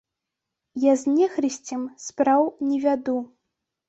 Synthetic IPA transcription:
jazʲnʲɛxɾɨsʲt͡sʲɛmspɾawnʲɛvʲad̪u

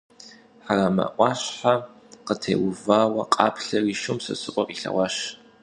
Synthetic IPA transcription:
ħaramɐ̰ʔʷʼɑːɕħa | qətʰḛːwʊvaːwɐqʼɑ̰ːpʰɬɐriːʃʊmsɐ̰sɨʔʷʼɔqʼiɬɐ̰wʷɑʃ

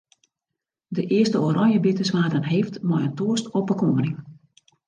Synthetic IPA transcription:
dəʔɪəstəoɾɔnjəbɪtəsʋaːdənɦeːftmɔjəntuəstɔpəkomənɪŋ

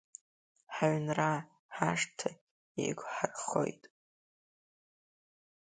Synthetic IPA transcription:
ħaɥnra | ħaʂtʰa | ḭɡʷħarχo̞̰jtʼ

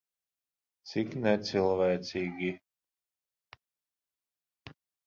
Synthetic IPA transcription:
t̪siknɛt̪silˠvɛːt̪sʲiːɡʲi

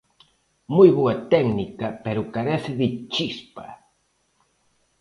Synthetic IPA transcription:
mujβoɐt̪ɛɡnikɐpeɾʊkaɾɛθɪðɪt͡ʃispɐ̰

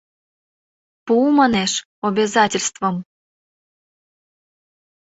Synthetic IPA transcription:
pumɑneʃ | obʲezɑtʲelʲst̪vom

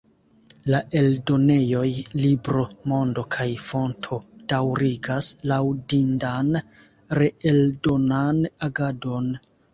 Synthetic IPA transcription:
laʔe̞ldo̞ne̞jo̞jlibɾo̞mo̞ndo̞kʰajfo̞ntʰo̞d̥awɾiɡaslawdindan | ɾeeldo̞nanaɡado̞n

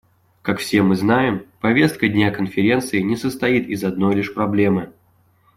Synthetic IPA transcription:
kakfsʲe̞mɨznajɪmpɐvʲe̞st̪̚kədʲnʲakənfʲɪɾʲe̞nt̪sɨɪnʲɪsəst̪ɐit̪ɪzɐd̪no̞jlʲɪʂpɾɐblʲe̞mɨ

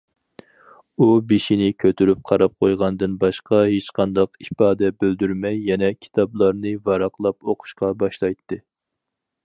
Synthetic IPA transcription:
ubeʃinɪkʲʰøt̪ʰyɾyp̚qʰɑɾɑp̚qʰojʁɑnɨd̪ɨnbɑʃqɑɦet͡ʃqʰɑnd̪ɑqipɑːd̪ɛbøld̪yɾmɛjːɛnɛkʲʰi̥t̪ʰɑblˠɑɾnɨvɑɾɑqlˠɑpoqʰʊ̥ʃqɑbɑʃlˠɑjt̪ʰːɨ

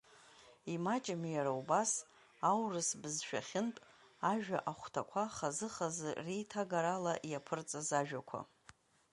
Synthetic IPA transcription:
imat͡ʃʼamijaɾaubas | awrɨsbɨzʃᶣa̰χʲɪntʼ | aʒᶣaʔaχʷtʰakʷʰaχazɨχazɨrijtʰaɡaɾalaʔjapʰɨrt͡sʼazaʒᶣakʷʰa̰

